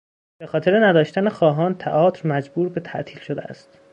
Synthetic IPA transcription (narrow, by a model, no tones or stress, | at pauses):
b̥exɒːt̪e̞ɾenæd̪ɒːʃt̪ænexɒːɦɒːnt̪ʰæʔɒːt̪ʰɾmæd͡ʒbuːɾbe̞t̪ʰæ̰ʔt̪ʰiːlʃod̪eæ̰st̪